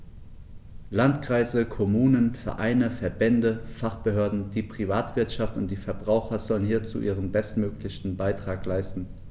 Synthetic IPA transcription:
lantkʁ̥aɪzəkʰɔmuːnənfɛɐʔaɪnəfɛɐbɛndəfaχb̥əɦøːɐdn̩d̥iːpʁ̥ivaːtv̥ɪɐtʃaftʊnt̚d̥iːfɛɐbʁaʊxɐzɔlənhiːɐt͡sṵːʔiːʁ̞ənbɛstmøːklɪçn̩baɪtʁ̥aːklaɪstn̩

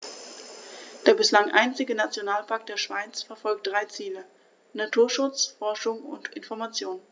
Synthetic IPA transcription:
d̥eːɐbɪslaŋʔa̰ɪnt͡sɪɡənat͡sjonaːlpʰak̚t̚d̥eːɐʃv̥aɪt͡sfɛɐfɔlk̚t̚d̥ʁaɪt͡siːlə | natʰuːɐʃʊt͡sfɔɐʃʊŋʊ̰ntʔɪnfɔɐmat͡sjoːnn

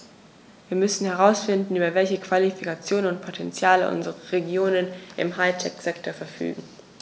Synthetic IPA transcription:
viːɐmʏsn̩hɛʁaʊsfɪndn̩yːbɐvɛlçəkv̥alifikat͡sjoːnənʊntpʰotʰɛnt͡sjaːlə̰ʔʊ̰nzəʁəʁeɡjoːnənʔɪ̰mɦaɪtʰɛkz̥ɛktoɐfɛɐfy̰ːɡŋ̩

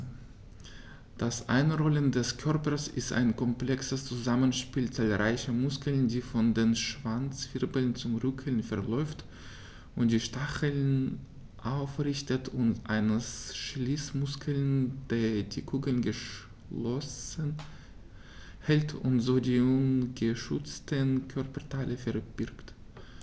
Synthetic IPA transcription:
d̥asʔa̰ɪnʁɔləndɛskʰœɐpɐsɪ̰stʔa̰ɪnkʰɔmplɛksəst͡suzamənʃpiːlt͡saːlʁaɪçəmʊskl̩ndiːfɔndeːnʃv̥ant͡sfɪʁbəl̩nt͡sʊmʁʏkʰəl̩nfɛɐlɔʏft | ʔʊnt̚d̥iːʃtaχəln | ʔaʊfʁɪçtətʰʊntʔaɪnəsʃliːsmʊskʰəl̩nd̥eːd̥iːkʰuːɡəl̩nɡəʃ | lɔsən | hɛltʰʊntz̥oːdiːʊnɡəʃʊt͡stʰənkʰœʁpɐtʰalʔəfɛɐb̥ɪɐkt

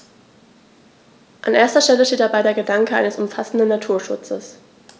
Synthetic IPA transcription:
ʔanʔeːɐstɐʃtɛləʃteːt̚d̥abaɪdeːɐɡədaŋkəʔa̰ɪnəsʊmfasn̩dənːatʰuːɐʃʊt͡səs

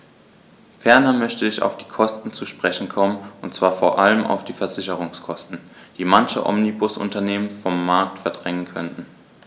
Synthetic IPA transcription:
fɛɐnɐmœçtəɪça̰ʊfd̥iːkʰɔstn̩t͡suʃpʁ̥ɛçn̩kʰɔmənʊntt͡sv̥aːɐfoːɐʔaləma̰ʊfd̥iːfɛɐzɪçəʁ̞ʊŋskʰɔstn̩d̥iːmançə̰ʔɔ̰mnibʊsʔʊ̰ntɐneːmənfɔmːaɐk̚tfɛɐdʁɛŋənkʰœntn̩

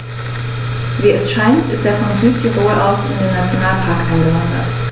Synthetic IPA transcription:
viːɛsʃaɪntɪst̚d̥eːɐfɔnzyːtʰiʁoːʔaʊsɪ̰ndeːnat͡sjonaːləpʰaɐkʔaɪnɡəlɔŋva̰ɐd

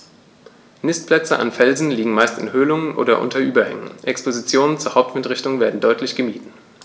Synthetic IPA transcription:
nɪst̚pʰlɛt͡səʔa̰nfɛlzn̩liːɡŋ̩maɪstɪ̰nhøːlʊŋənʔo̰ːdɐʔʊ̰ntʰɐʔyːbɐhɛ̰ŋə̰nʔɛkspʰozit͡sjoːnənt͡suːɐhaʊp̚tmɪtʁɪçtʊŋveːɐdn̩dɔʏtlɪçɡ̥əmiːtn̩

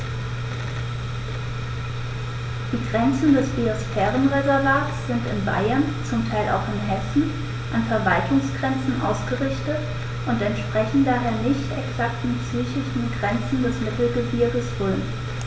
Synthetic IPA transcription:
d̥iːɡʁɛnt͡sn̩dɛsb̥iosfɛːʁənʁezɛɐvaːtsz̥ɪntɪnba̰ɪɐn | t͡sʊmtʰaɪlʔa̰ʊxɪnɦɛsn̩ | ʔanfɛɐvaltʰʊŋsɡ̥ʁɛnt͡sn̩ʔa̰ʊsɡ̥əʁɪçtət | ʔʊntɛntʃpʁ̥ɛçn̩daːɦeːɐnɪçtɛksaktn̩psyːçɪçn̩ɡʁɛnt͡sn̩dɛsmɪtl̩ɡəbiɐɡəsfʊln

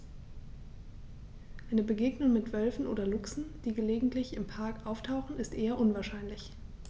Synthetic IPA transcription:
ʔaɪnəbəɡeːɡnʊŋmɪtv̥œlfn̩ʔo̰ːdɐlʊksn̩d̥iːɡəleːɡŋ̩tʰlɪçɪmpʰaɐkʔaʊftʰaʊxχn̩ɪstʔeːɐʔʊnvaːɐʃaɪnlɪç

